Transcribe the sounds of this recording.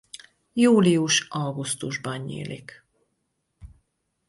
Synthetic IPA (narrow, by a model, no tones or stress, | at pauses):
juːlijuʃɒlɡust̪uʒbɒnːḭːlʔḭk